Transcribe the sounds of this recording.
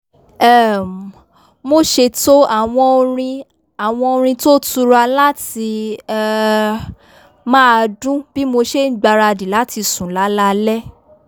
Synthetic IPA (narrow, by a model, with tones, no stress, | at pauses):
ɛ˦˨ | mo˦ʃe˧to˦a˦˨w̃ɔ̃˧o˧ɾ̃ĩ˧ | a˨w̃ɔ̃˧o˧ɾ̃ĩ˧to˦tu˧ɾa˧la˦ti˧ɛ˧ | mãː˦˧dũ˦b̥i˦mo˧ʃe˦n̩˦ɡ͡ba˧ɾa˧di˨la˨˦ti˧sũ˨la˨˦la˧lɛ˦